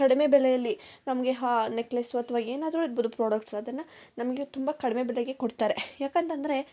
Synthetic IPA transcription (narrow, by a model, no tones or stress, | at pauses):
kɐɽime̞bɛɭɛjɐlːinɐmɐɡe̞ɦaːneklesuɐt̪ʰɐʋaeːnaːd̪ɾuiɾbud̪upɾoːɽɐkʈsɐd̪ɐnːɐnɐmɐɡet̪umbɐkɐɽimebɛɭeɡe̞koɽt̪aːɾe̞jaːkɐnt̪ɐnd̪ɐɾe̞